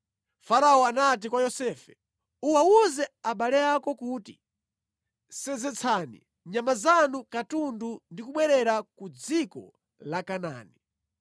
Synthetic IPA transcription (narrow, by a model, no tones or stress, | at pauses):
faɾaɔanat̬ikwajɔsɛfɛ̥ | uwauzɛaɓalɛakɔkuːtḭ | sɛd͡zɛt͡sʰanḭ | ɲamazanukatundundikuɓwɛɾɛɾakud͡zikɔ̰ | lakana̰ːni